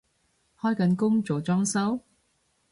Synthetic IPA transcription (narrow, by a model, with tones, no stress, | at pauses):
hɔː˥jkɐ˨˥nkʊ˥ŋt͡ʃɔː˨˩t͡sɔː˥ŋsɐ˥w